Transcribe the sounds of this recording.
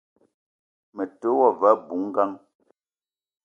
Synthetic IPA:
me˨to˨˦wɔ˦˨va˨˦bu˨˦ŋ̩˦ɡa˦ŋ

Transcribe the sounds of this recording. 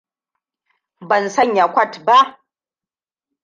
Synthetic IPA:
bɐ˨nsɐ˦ɲja˨kʷɐ˦tba˦ʔ

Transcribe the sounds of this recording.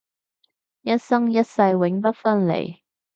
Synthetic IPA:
jɐ˥t̚sɐ˥ŋjɐ˥t̚sɐ˧jwɪ˨˥ŋpɐ˥t̚fɐ˥nlḛ˨˩j

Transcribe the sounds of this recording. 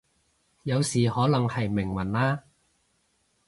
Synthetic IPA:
jɐ˨˧wsiː˨˩hɔː˨˥lɐ˨˩ŋhɐ˨jmɪ˨˩ŋwɐ˨˩nlaː˥

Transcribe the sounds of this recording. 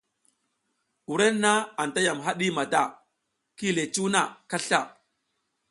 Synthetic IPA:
u˨ɾe˦nːa˦a˨nta˦ja˨mɦa˦ɗi˦ma˨da˦˨ | ki˦le˨t͡ʃu˦na˨ka˦ɬa˦˨

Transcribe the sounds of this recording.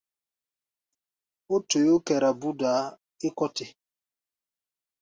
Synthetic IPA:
o˦to˨jo˦kɛ˨ɾa˨bu˦daː˨˦ | ɪ˦kɔ˦tɪ˦

